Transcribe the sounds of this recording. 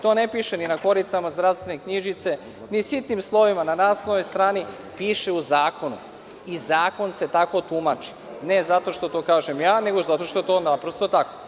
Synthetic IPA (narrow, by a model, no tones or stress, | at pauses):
t̪o̞ne̞piʃeninako̞ɾit̪samazd̪ɾaʋst̪ʋenekɲiʒit̪se̞ | nisit̪nimslˠo̞ʋimananaːslˠonojst̪ɾaːni | piːʃe̞uzaːko̞nṵ | izaːko̞nse̞t̪ako̞t̪umat͡ʃi̥ | ne̞zat̪o̞ʃt̪o̞t̪o̞ːkaːʒemjaːne̞ɡo̞zat̪o̞ʃt̪oet̪oːnapɾost̪ot̪ako